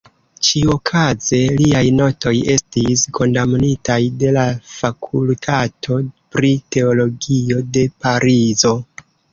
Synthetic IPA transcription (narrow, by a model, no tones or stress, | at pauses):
t͡ʃio̞kʰaze̞liajno̞to̞je̞stisko̞ndamnitajde̞lafakʰultʰatʰo̞pɾite̞o̞lo̞ɡio̞de̞paɾizo̞